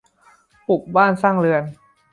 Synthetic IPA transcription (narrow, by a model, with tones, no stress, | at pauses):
pu˨˩k̚baː˥˩nsaː˥˩ŋɾɯ˧ən